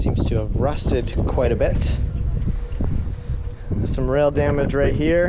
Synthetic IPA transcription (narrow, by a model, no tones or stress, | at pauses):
sĩmz̥tʰɨːvɹʌstɨd̚kʰw̥aɪɾɨbɪt | sʌ̃mɹeɪlˠdæmɨdɹeɪɦiɹ